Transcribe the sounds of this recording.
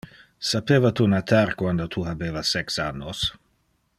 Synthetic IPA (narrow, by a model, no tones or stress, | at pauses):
sapeːvat̪unat̪ʰarkwand̪ot̪ʰuɦabeːvasɛksanːos